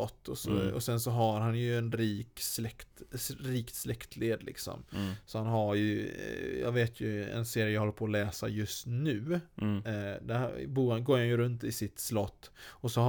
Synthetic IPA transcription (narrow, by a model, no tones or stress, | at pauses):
ɔt̪ːɔsɔ̰ɔsɛnsɔɦaɾɦanjɵɛnɾiːkslɛkt̪ɾiːkt̪slɛkt̪ʰleːd̪lʔɪ̰ksɔ̰msɔhanɦaɾjɵjɑ̰ːɡveːt̪ʰjɵɛ̰nseːɾɪjəjɡhɔlːɾpʰɔːlɛːsa̰jɵst̪nʉ̟ː | d̪æɾbuːɾanɡoːɾhanjɵɾɵnt̪ɪsɪt̪slɔt̪ːɔsɔh